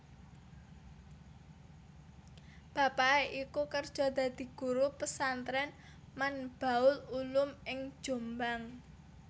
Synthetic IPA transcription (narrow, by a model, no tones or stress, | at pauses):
b̥a̤paeʔikukərd̥ʒ̥ɔ̤d̪̥a̤d̪̥i̤ɡ̥ṳɾupəsant̪ɾɛn | manb̥a̤ʊlulʊmɪŋ̥ʒ̥o̤mbaŋ